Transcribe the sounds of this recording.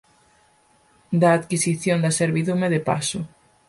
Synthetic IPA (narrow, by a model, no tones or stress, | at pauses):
d̪ɐːt̪kisiθjond̪ɐseɾβiðumeðepa̰sʊ